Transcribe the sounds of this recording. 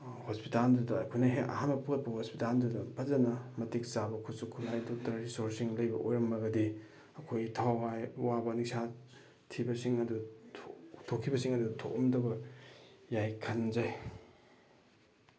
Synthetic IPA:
hospitaldudɐkʰonɐɦeɐ̰hanmɐpuɡɐt̚pɐhospitaldudɐbʰazɐnɐmɐtik̚sabɐkʰusukʰunajdok̚tɐɾɾisoɾsiŋlɐjbɐʔojɾɐmːɐɡɐdi | ɐkʰojtʰawajwabɐnik̚sa | tʰibɐsiŋɐdutʰtʰokʰːibɐsiŋɐdutʰo̰kɔmdɐbɐ | jajkʰɐnzaj

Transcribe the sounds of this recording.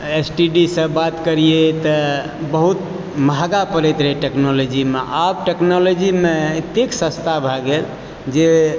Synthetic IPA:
esʈiɖisəbbat̪kəɾijet̪ə | bəɦut̪ | mʱaɡapəɾɛjt̪ɾəɦeʈeknolod͡ʒimḛʔabʈeknolod͡ʒimeet̪eksə̃st̪ʰabʱaɡel | d͡ʒe

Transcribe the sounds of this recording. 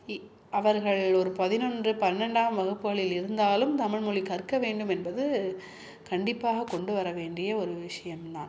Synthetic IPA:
ɐʋɐɾɣɐɭɔɾɯpɐðɪnɔndrɯpɐnnɐɳɖaːmʋɐɣɯpːɯɣɐɭɪlɪɾɯnd̪aːlɯmt̪ɐmɪɻmɔɭikɐɾkːɐʋeːɳɖɯmɛnbɐðɯ | kɐɳɖɪpːaːɣɐkːɔɳɖɯʋɐɾɐʋeːɳɖɪjɐɔɾɯʋɪʂɐjɐmna̰ːn

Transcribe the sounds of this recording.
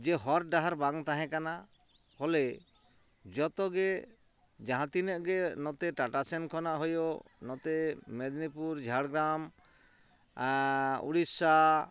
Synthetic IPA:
d͡ʒɛɦɔɾɖaɦaɾbaŋt̪aɦɛ̃kana | hɔlɛ | d͡ʒɔt̪ɔɡɛ | d͡ʒaɦãt̪inəʔɡɛnɔt̪ɛʈaʈasɛnkʰɔnaʔɦɔjonɔt̪ɛmɛd̪nipuɾd͡ʒʱaɽɡɾam | ṵɽisa

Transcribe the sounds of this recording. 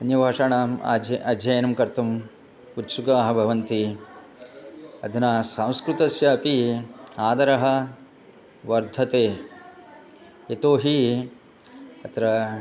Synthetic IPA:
ɐnjɐbʱaːʂaːɳaːma̰ːɐɐd̪ʱjɐjɐnɐmkɐɾt̪ʰɐm | ut̪sukaːɦɐ̆bʱɐʋɐnt̪i | ɐ̰d̪ʱɐnaːsɐ̃w̃skɾut̪ɐsjɐːpiaːd̪ɐɾɐɦɐ̆ | ʋɐɾd̪ʱɐt̪eː | et̪oːɦi | ɐt̪ɾɐ

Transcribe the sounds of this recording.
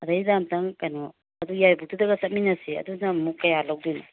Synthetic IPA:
ɐdajdamtaŋkajnɔ | ɐdujajbutʰudɐɡɐsɐt̚minɐsiɐ̰dunamukːɐjalawdijna

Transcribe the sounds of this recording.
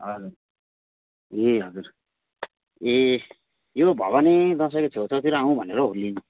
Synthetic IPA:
ɦʌd͡zur | eɦʌd͡zuɾ | e | jobʱʌ̰βanid̪ʌs̬ʌjket͡sʰot͡sʰʌt̪iɾoaũbʱʌneɾʌɦulːin

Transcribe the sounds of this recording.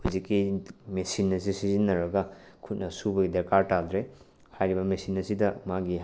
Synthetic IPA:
huzikːimesinɐs̬isizinːɐɾɐɡɐkʰut̚nɐsubɐɡideɾkaɾtald̪ɾe | hajɾibɐmesinɐsidɐmaɡi

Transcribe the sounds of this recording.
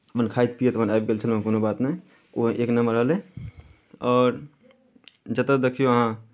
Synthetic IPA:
mənkʰaːit̪̚pijet̪mənajp̚ɡelt͡ʃʰəl̃konobaːt̪nẽ | oeknəməɾəɦlẽ | ɔːɾ | d͡ʒət̪əd̪ekʰijoəɦã

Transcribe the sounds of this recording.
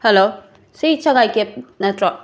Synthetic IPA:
helo | sijt͡ʃɐŋajkep̚nɐtɾɔ

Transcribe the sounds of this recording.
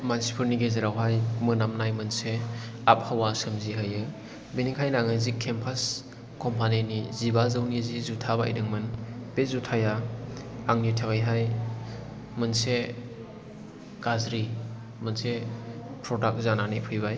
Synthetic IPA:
mansi̥pʰɯɾniɡezɯɾawɦajmɯnamnajmɯnseap̚hawasɯmziɦɯjɯ | binikʰajnaŋɯzikʰempʰas | kɔmpʰanenizibazɯwnizizutʰabaḭdɯŋmɯnbezutʰajaː | ŋnitʰaɡajɦaj | mɯnse | kazɾi | mɯnsepʰɾɔdak̚zananepʰɯjbaj

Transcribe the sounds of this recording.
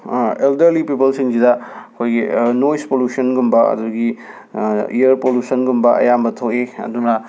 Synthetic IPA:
eldɐɾlipipɐlsiŋsidɐɐkʰojɡinojspoljusɐnɡumbɐɐ̰duɡi | ḭjɐɾpoljusɐnɡumbɐʔɐ̰jambɐtʰoweɐ̰d̪unɐ

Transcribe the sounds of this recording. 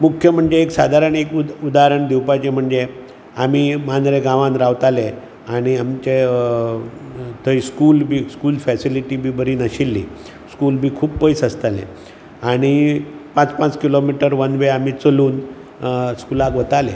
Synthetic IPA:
mukʰjəm̤əɳd͡zeːksad̪ʱaɾəɳekud̪aɾəɳd̪iwpat͡ɕem̤əɳd͡ze | amiːmanɾeɡãʋãnɾaʋt̪ale | aɽ̃iamt͡ɕe | t̪ʰəiskuːlbʱiːskuːlfɛsiliʈibʱiːbəɾiːnəɕilːḭː | skuːlbʱiːkʰuːbpəjsəst̪alḛ̃ | aɽ̃ipãt͡spãt͡skilomiʈəɾʋənʋeamit͡səluːn | skulaɡʋət̪alḛ

